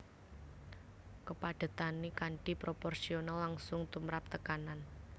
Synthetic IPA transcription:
kəpaɖ̥a̤t̪anikaɳʈipɾopɔrsionalːaŋsʊŋt̪umɾap̚t̪əkanan

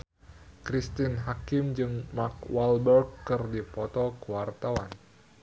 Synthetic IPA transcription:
kɾist̪inɦakɪmd͡ʒɨŋmak̚walbɛrɡkːɨrdipɔt̪ɔkəwart̪awan

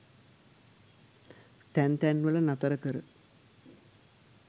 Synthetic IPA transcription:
t̪ænt̪ænʋəlɐnat̪ɐɾəkəɾə

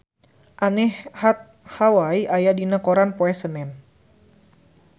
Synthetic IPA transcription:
ʔanɛhhat̪̚ | hawaiʔajadinakoɾanpoɛsənɛn

